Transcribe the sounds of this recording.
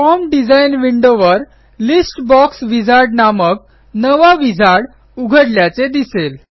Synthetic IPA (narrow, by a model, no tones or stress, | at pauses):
fɔmɖid͡zajnʋiɳɖoʋəɾ | lisʈbɔksʋid͡zaɾɖnamək | nəʋaʋid͡zʱaɽ | uɡʱəɽljat͡sed̪isel